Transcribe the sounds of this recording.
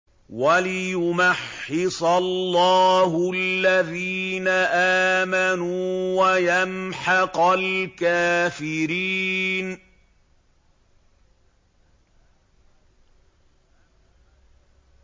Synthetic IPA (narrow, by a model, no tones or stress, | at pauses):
walɪjʊmaħːɪsˤɑlːɑːɦʊalːaðiːnaʔaːmanuːwajamħɑqɑlkaːfɪɾiːn